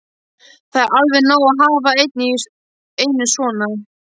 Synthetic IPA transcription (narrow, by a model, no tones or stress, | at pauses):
θaðɛɾʔalvɪnaːwaɦaːvaejt̪̚ni | eːjnʏsvɔːna